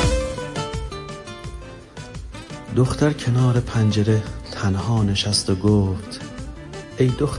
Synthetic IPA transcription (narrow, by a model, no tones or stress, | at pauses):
d̪oxt̪æɾcʰe̞nɒːɾe̞pʰænd͡ʒeɾet̪ʰænhɒːne̞ʃæst̪oɡoːft̪ | ʔejd̪ox